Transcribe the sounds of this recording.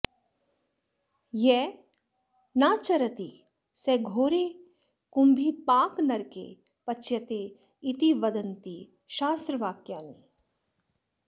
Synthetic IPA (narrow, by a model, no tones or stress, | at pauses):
jɛ | naːt͡ʃɐɾɐt̪i | seɡʱoːɾe | kumbʱipaːknɐɾkḛ | pɐt͡ʃjɐt̪eː | it̪iʋɐd̪ɐnt̪i | ʃaːst̪ɾəʋaːkjaːni